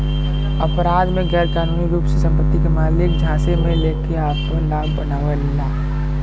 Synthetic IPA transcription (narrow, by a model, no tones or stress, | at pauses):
əpɾaːd̪mẽɡɛːɾkaːnuːniɾuːpsesə̃mpət̪ːikemaːlɪk̚d͡ʒʱãːsemẽleːkeaːp̚kõlaːbːənaːʋəlːaː